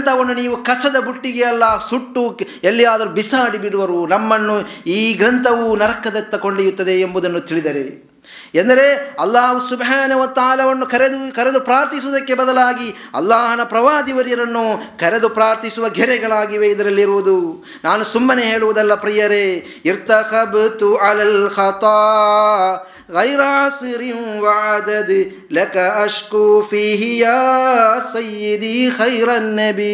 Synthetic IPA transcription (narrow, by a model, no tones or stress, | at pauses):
nt̪ʰɐʋɐnːuniːʋukɐsɐd̪ɐbuʈːiɡeɐlːaːɦsuʈːu | elːijaːd̪ɐɾubisaːɽibiɽuʋɐɾunɐmːɐnːuiːɡɾɐnt̪ʰɐʋunɐɾɐkːɐd̪ɐt̪ːɐko̞ɳɖijut̪ːɐd̪e̞ːmbud̪ɐnːut̪iɭid̪ɐɾe | end̪ɐɾe̞ɐlːaːɦusubɦaːnɐɦʋɐt̪aːlɐʋɐnːukɐɾed̪ukɐɾed̪upɾaːɾt̪isuʋud̪ɐkːe̞bɐd̪ɐlaːɡiɐ̰lːaːɦɐnɐpɾɐʋaːd̪iʋɐɾjɐɾɐnːukʰɐɾed̪upɾaːɾt̪isuʋɐɡʱɛɾɛɡɐɭaːɡiʋe̞id̪ɐɾɐlːiɾuʋud̪u | naːnusumːɐne̞ɦe̞ːɭuʋud̪ɐlːɐpɾijɐɾe | iɾt̪ɐxɐbt̪uʕalɐlxɐt̪ɑː | ɣɐjɾasiɾinʋɐʕad̪ɐd̪ | lɐkɐɐʃkufiːɦijaːsɐjːid̪ixɐjɾɐnːɐbi